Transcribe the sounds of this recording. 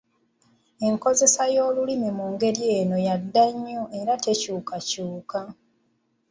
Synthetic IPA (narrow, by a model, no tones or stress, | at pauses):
e̞ŋko̞ze̞sajoːlulimimuːŋɡe̞ɾje̞ːno̞jadːaɲːoʔe̞ɾate̞cuːkacuːka